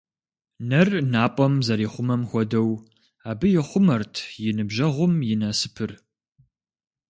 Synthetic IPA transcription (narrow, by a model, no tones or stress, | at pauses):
nɐrnaːpʼɔmzɐɾiːχʷʊmɐmxʷɔdɐw | aːbɨjɪχʷʊmɐrtʰjɪnɨbʒɐʁʷʊmjɪnɐsɨ̥pʰɨr